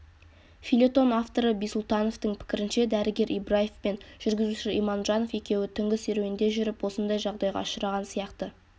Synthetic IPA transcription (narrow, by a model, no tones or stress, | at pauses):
fʲilʲe̞t̪o̞naft̪o̞ɾəbijsʊlˠt̪ɑno̞ft̪əɴpʰɪ̥kʲɪɾɪnʃe̞d̪æɾɪɡʲe̞ɾʔibrajefpenʒ̥ʏɾɡʲɪzuʃɪḭjmɑnʒɑno̞fje̞kʲe̞wɪt̪ʰʏŋɡʲɪseɾeɪnd̪e̞ʒʏɾɪpwo̞sənd̪ɑjʒɑʁd̪ɑjʁɑ̰ʃəɾɑʁɑnsijɑqt̪ə